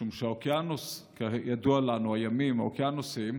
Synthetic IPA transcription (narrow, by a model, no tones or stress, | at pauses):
ʃumʃeaokianuskajadualanuajamima̰okjanusim